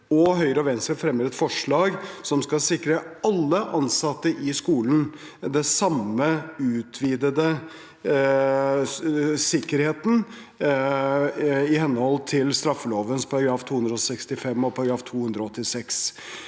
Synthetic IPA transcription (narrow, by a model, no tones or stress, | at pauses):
ɔɦœʏɾəɔʋɛːnsəfɾɛmːəɾɛt̪fɔʂɭɑːɡsɔmskɑsɪkːɾəɑlːəʔɑnsɑt̪ːəʔɪskuːlən̩ | d̪ɛsɑməʉːt̪ʰʋiːd̪əd̪ə | sɪkːəɾheːt̪n̩ | ɪhɛnːəhɔlːt̪ʰɪlst̪ɾɑfːəloːʋənspʰɔɡɾɑːft̪ʰuːhʉɵnd̪ɾɔsɛkst̪ɪfɛmːɔpʰɔɡɾɑːft̪ʰuːhʉnd̪ɾəɔɔt̪ːɪsɛks